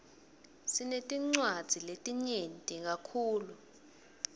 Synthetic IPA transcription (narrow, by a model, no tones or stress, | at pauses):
sinetʼiŋ͡ǀwad̥z̥ʱiletʼiɲentʼik̬akʰuːlu